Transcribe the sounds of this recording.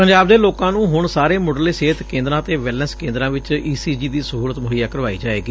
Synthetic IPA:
pəɲd͡ʒaːbd̪eːloːkãːnũːɦʊɳsaːɾeːmoːɖəleːseːt̪kẽːnd̪ɾãːt̪eːʋɛːlnəskẽːnd̪ɾãːʋɪt͡ʃiːsiːd͡ʒiːd̪iːsəɦuːɾət̪mʊɦəɪjaːkəɾʋaːḭːd͡ʒaːeːɡiː

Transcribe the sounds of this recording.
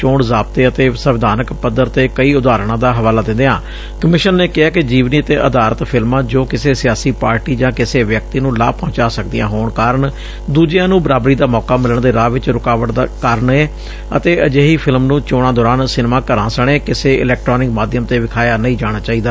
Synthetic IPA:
t͡ʃõːɳzaːb̚t̪eːət̪eːsəʋɪd̪aːnəkpəd̪əɾt̪eːkəiːʊd̪aːɾɳãːd̪aːɦəʋaːlaːd̪ɪ̃nd̪eːãː | kəmɪʃənːeːkɪaːkɪd͡ʒiːʋniːət̪eːʔəd̪aːɾət̪pʰɪlmãːd͡ʒoːkɪseːsɪjaːsiːpaːɾʈiːd͡ʒãːkɪseːʋjək̚t̪iːnũːlaːpɔ̃ːt͡ʃaːsək̚d̪ɪjã̰ːɦoːɳkaːɾəɳ | d̪uːd͡ʒjãːnũːbəɾaːbɾiːd̪aːmɔːkaːmɪləɳd̪eːɾaːʋɪt͡ʃɾʊkaːʋəʈ̪ːkəɾəɳeː | ə̰t̪eːəd͡ʒeːɦiːpʰɪlmnũːt͡ʃoːɽ̃ãːd̪ɔːɾaːnsɪnmãːkəɾãːsəɳ̃eːkɪseːɪ̰lɛːk̚ʈɾɔːnɪkmaːd̪jəmt̪eːʋɪkʰaːjaːnəĩːd͡ʒaːɽ̃aːt͡ʃaːiːd̪aː

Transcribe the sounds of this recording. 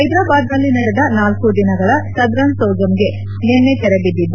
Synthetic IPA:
ɐjd̪ɾaːbaːd̪nɐlːinɐɽɛd̪ɐnaːlkud̪inɐɡɐɭɐsɐɡ̪ɾɐnsɐwd͡ʒɐmɡe̞ | nɛnːet̪ɛɾebid̪ːid̪u

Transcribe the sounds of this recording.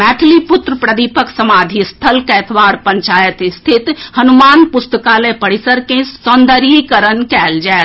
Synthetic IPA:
mɛːʈʰlipʊt̪ɾəpɾəd̪ipəkʰsəmaːd̪ʱist̪ʰəlkɛːt̪ʰʋaːɾpəɲt͡ʃaːjət̪ɪst̪ʰɪt̪hɐnumaːnpʊst̪əkalepəɽisəɾkẽsɔnd̪əɾikəɾənkɛːld͡ʒae

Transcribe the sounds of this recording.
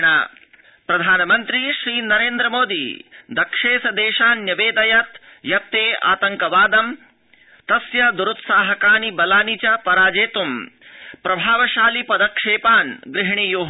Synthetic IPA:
ɳaː | pɾɐd̪ʱaːnɐmɐnt̪ɾiʃɾiːnɐɾeːnd̪ɾɐmoːd̪ḭd̪ɐkʂeːsɐd̪eːʃaːnːjɐʋeːd̪ɐjɐt̪ | jɐp̚t̪eːʔa̰ːt̪ɐŋkɐʋaːd̪ɐm | t̪ɐsjɐd̪uɾut̪saːɦɐkaːnibɐlaːnit͡ʃɐpɐɾaːd͡ʒeːt̪umpɾɐbʱaːʋɐʃaːlipɐd̪ɐkʂeːpaːnɡɾɪɦɳ̃ijoːɦ

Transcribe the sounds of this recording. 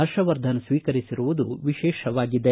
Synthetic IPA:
ɐɾʃɐʋɐɾd̪ʱɐnɐsʋiːkɐɾisiɾuʋud̪uʋiʃɛːʃɐʋaːɡid̪e

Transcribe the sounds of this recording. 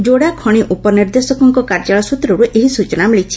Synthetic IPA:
d͡ʒoɽakʰɔɽ̃iʔupɔniɾd̪esɔkɔŋkɔkaɾd͡ʒaɭɔsut̪ɾɔɾuʔeɦisut͡ʃɔnamiɭit͡ʃʰi̥

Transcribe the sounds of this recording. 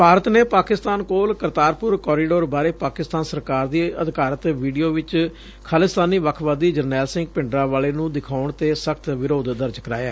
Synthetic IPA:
paːɾət̪neːpaːkɪst̪aːnkoːlkəɾt̪aːɾpʊɾkɔːɾiːɖoːɾbaːɾeːpaːkɪst̪aːnsəɾkaːɾd̪iːəd̪kaːɾət̪ʋiːɖijoːʋɪt͡ʃ | kʰaːlɪst̪aːniːʋəkʰʋaːd̪iːd͡ʒəɾnɛːlsɪ̃ŋɡpɪ̃ɳɖɾãːʋaːleːnũːd̪ɪkʰaːʊɳt̪eːsəkʰt̪ʋɪɾoːd̪d̪əɾd͡ʒkəɾa̰ːja̰ː

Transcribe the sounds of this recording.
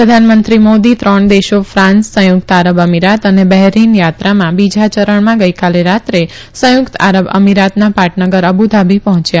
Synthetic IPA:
pɾəd̪ʱanmənt̪ɾimod̪it̪ɾəɳd̪eʃofɾãnssə̃jʊk̚t̪aɾəbəmiɾat̪ənebɛɦɾinjat̪ɾamãbid͡ʒat͡ʃəɾəɳmãɡəjkaleɾat̪ɾe | sə̃jʊkt̪a̰ɾəbə̰miɾat̪napaʈnəɡəɾəbud̪ʱabʱipəɦɔ̃t͡ʃja

